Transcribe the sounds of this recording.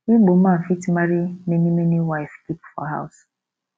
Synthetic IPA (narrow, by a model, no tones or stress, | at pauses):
iɡ͡bom̩mam̩fitimaɾimenimeniwaɪfkipfɔ̰ɦa̰ʊs